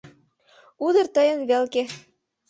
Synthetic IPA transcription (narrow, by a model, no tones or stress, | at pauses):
ud̪ɤ̆rt̪ə̆jənβelke